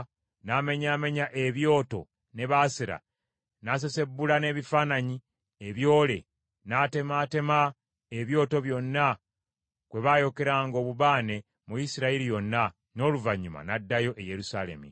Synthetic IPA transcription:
name̞ɲaːme̞ɲaʔe̞βjo̞ːto̞̰ | ne̞βaːsiɾa̰ | nase̞se̞bːulane̞ːβifaːnaɲi | eβjo̞ːle̞̰ | naːtemate̞ma | eβjo̞ːto̞βjo̞nːa | kwe̞βajo̞ke̞ɾaːŋɡo̞ːβuβaːne̞ | mujisiɾaiɾijo̞nːa | no̞ːluvaɲːuma̰nadːajo̞ʔeje̞ɾusale̞̰mḭ

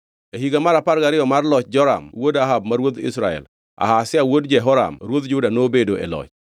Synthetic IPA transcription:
eɦiɡamaɾaparɡaɾɪjɔmarlɔt͡ʃd͡ʒɔɾa̰mwodaɦabmaɾwod̪ɪ̰sɾaɛ̰l | a̰hasɪawodd͡ʒɛɦɔɾa̰mɾwod̪d͡ʒʊdanobedoʔḛlɔ̰t͡ʃ

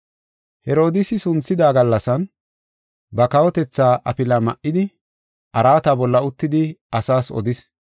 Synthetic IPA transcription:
hɛɾo̞ːd̪ɪsɪsʊnt͡sːɪd̪aːɡɐlːɐsɐn | bɐkɐwɔt̪ɛt͡sːaːʔɐ̰pɪlɐmɐ̰ʔɪd̪ɪ | ʔɐɾaːt̪ɐbɔlːɐʊt̪ːɪd̪ɪɐsaːsɔ̰d̪ɪs

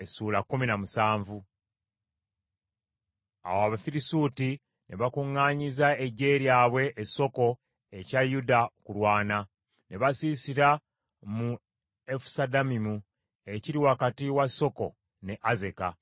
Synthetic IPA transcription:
esuːlakːuminamusaːɱvu | a̰waβafiɾisuːti | ne̞βakuŋːaːɲizaeɟe̞ɾjaːβwe̞ʔːso̞ko̞ | ecajudakulwaːna | ne̞βasiːsiɾa | mu | efu̥sadamimu | e̞ciɾiwakatiwasːo̞ko̞ | ne̞ʔaze̞ka

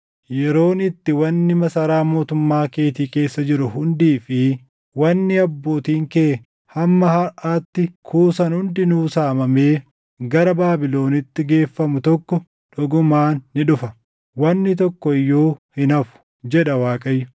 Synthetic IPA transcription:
jɛɾo̞ːnɪt̪ːɪwɐnːɪmɐsɐɾaːmo̞ːt̪ʊmːaːke̞ːt̪iːke̞ːsːɐd͡ʒɪɾʊhʊnd̪iːfɪ | wɐnːɪɐbːo̞ːt̪iːŋkeː | hɐmːɐhɐɾʔaːt̪ːɪkʰuːsɐnhʊnd̪ɪnuːsaːmɐmeː | ɡɐɾɐbaːbɪlo̞ːnɪt̪ːɪɡe̞ːfːɐmʊt̪ɔkːɔ | ᶑɔɡʊmaːnːɪᶑʊfɐ | wɐnːɪt̪̬ɔkːɔɪjːoːhɪnɐfʊ̥ | d͡ʒɛᶑɐwaːkʼɐjːʊ

